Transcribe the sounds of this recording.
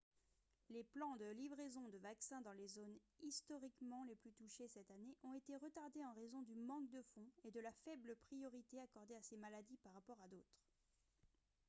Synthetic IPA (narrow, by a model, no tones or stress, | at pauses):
leplɑ̃d̪əlivʁezɔ̃d̪əvaksɛ̃d̪ɑ̃lezon | ist̪ɔʁikmɑ̃leplyt̪uʃesɛt̪aneʔɔ̃et̪eʁət̪aʁd̪eɑ̃ʁezɔ̃d̪ymɑ̃k̚d̪əfɔ̃ed̪əlafɛbləpχijɔʁit̪eakɔʁd̪easemalad̪ipaʁːapɔʁad̪oːt̪χ